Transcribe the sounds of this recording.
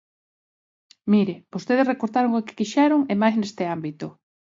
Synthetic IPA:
miɾɪb̥ost̪eð̞esrekoɾt̪aɾoŋokɪ̥kiʃɛɾʊŋemajznest̪ɪambit̪o

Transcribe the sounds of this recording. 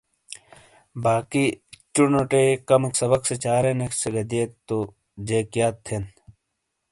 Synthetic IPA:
baːkit͡ɕunoʈekɐmeksɐbɐkset͡ɕaːɾenekseɡɐd̪ieːt̪ːo | d͡ʑeːkjaːt̪ʰːen

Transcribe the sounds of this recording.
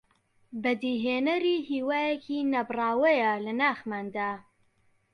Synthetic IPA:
bɐd̪iːɦeːnɐɾiːhiːwaːjekʰiːnɐbrˤɑːwɐjɐlɐnaːxmaːnd̪aː

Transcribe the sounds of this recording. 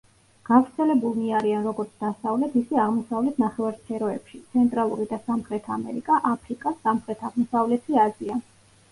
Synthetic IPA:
ɡ̥avɾt̪sʰɛlɛbulˠmiaɾianɾɔɡɔɾt̪sʰd̪̥asavlɛt̪ʰisɛaʁmɔsavlɛt̪ʰnaχɛvaɾspʰɛɾɔɛpʃit̪sʰɛnt̪ʼɾalˠuɾid̪asamχɾɛt̪ʰamɛ̰ɾikʼaʔapʰɾikʼasːamχɾɛt̪ʰaʁmɔsavlɛt̪ʰiazia

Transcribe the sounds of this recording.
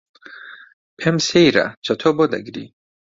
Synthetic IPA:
pʰɛmsɛjɾa̰t͡ʃʰat̪ʰɔbɔd̪a̰ɡɾḭ

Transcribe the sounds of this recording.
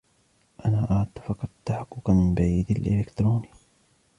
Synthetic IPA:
ʔanaːʔaʕt̪ːafɑqɑt̪ːaħaqːʊkamɪmbaʕiːd̪alʔɪ̰lɪkt̪ɾoːniː

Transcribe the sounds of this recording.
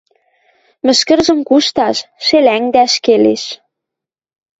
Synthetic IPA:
mɘ̆ʃkə̆rʒə̆mkuʃt̪ɑʃʃelæŋd̪æʃkelḛʃ

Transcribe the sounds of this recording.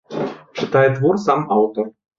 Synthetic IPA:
t͡ʂɨt̪ajɛd̪vɔrsamawt̪ɔr

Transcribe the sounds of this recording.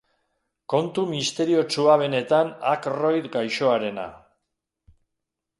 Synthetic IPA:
ko̞nt̪umist̪e̞ɾio̞t͡ʃuaβ̞e̞ne̞t̪anakro̞jt̪ɡajʃo̞aɾe̞na̰

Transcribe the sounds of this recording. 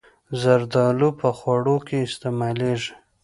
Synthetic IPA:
zaɾd̪ɑlupəxwaɽokʰeɪst̪emɑleʐi̥

